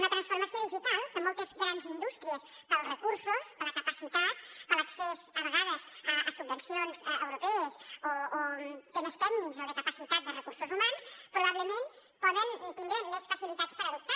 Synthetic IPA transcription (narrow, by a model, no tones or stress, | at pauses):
unət̪ɾənsfuɾməsioðiʒit̪alˠk̪əmɔlˠt̪əzɣɾanzind̪ust̪ɾiəs | pəlrəkuɾsusələkəpəsit̪at̪̚ələksezəβəɣaðəzəəsubːənsionzəwɾupɛəzoːt̪ɛməst̪ɛɡnikzələkəpəsit̪at̪̚d̪ərəkuɾsuzumanspɾuβaβləmen | pɔðənt̪imd̪emesfəsilit̪at͡spəɾəðup̚t̪a